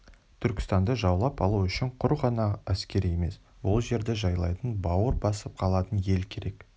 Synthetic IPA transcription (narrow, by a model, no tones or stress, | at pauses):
t̪ʰʏɾkʲɪ̥st̪ɑnd̪əʒɑwlˠɑpɑlˠuʏʃɪɴqʰʊɾʁɑnɑæskʲe̞ɾije̞me̞̰s | wo̞lˠʒe̞ɾd̪eʒɑjlˠɑjt̪ənbɑwəɾbɑsəp̚qʰɑlˠɑt̪ənje̞lkʲʰe̞ɾe̞k